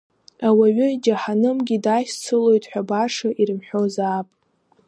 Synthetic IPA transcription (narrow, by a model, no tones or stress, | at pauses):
awaɥʏd͡ʒaħanɨmɡʲidaʃt͡sʰɨlo̞jtʼħʷᶣabaʂaʔiɾɨmħʷᶣo̞zaːpʼ